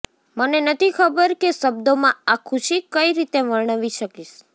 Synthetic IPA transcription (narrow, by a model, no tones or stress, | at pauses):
mənenət̪ʰikʰəbəɾkeʃəbd̪omãakʰuʃikəiɾit̪eʋəɭɳ̃əʋiʃəkiʃ